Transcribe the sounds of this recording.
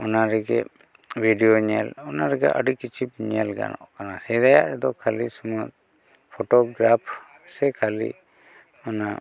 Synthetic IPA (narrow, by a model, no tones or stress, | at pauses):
ɔnaɾɛɡɛ | bʱiɖijoɲɛlɔnaɾɛɡɛ̰ʔəɖikːit͡ʃʰip̚ɲɛlɡa̰nɔ̰ʔkanasɛɾajaʔɾɛd̪ɔkʰalisumat̪̚ | pʰɔʈɔɡɾapʰ | sɛkʰalḭ | ɔna